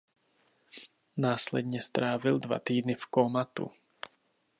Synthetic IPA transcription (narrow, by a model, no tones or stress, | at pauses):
naːslɛd̪ɲɛst̪ɾaːvild̪va̰t̪iːd̪nɪfkɔmat̪ṵ